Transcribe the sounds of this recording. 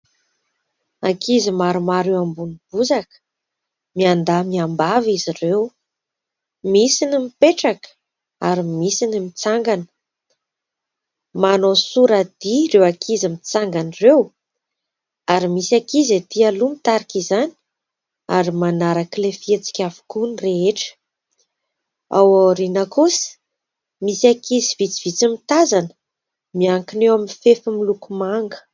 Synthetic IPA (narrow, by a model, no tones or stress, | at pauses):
akʰizimaɾumaɾewambunib̥uzak | miand̪amiambavizirew | misinimipeʈ͡ʂakə̥ | aɾimisinimit͡saŋɡanə̥ | manosuɾad̪iɾewakʰizimit͡saŋɡanirew | aɾimisakizet̪ialumit̪aɾikizani̥ | aɾimanaɾakilefiet͡si̥kʲavu̥kunireeʈ͡ʂə̥ | a̰waɾinakusi̥ | misakizivit͡si̥v̥it͡simit̪azanə̥ | miaŋkinewaminifefəmilukumaŋɡə̥